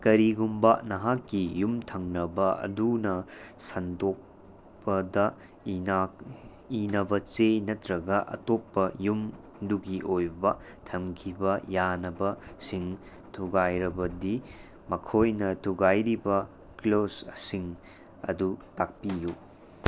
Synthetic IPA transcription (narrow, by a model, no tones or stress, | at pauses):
kɐɾiɡumbɐnɐɦakːijumtʰɐŋnɐbɐɐ̰dunɐsɐndok̚ | pɐdɐ | a | inɐbɐt͡ʃenɐtɾɐɡɐʔɐ̰topːɐjum | duɡiʔojbɐ | tʰɐmkʰibɐjanɐbɐsiŋ | tʰuɡajɾɐbɐdi | mɐkʰojnɐtʰuɡajɾibɐ | klossiŋ | ɐ̰dutak̚piju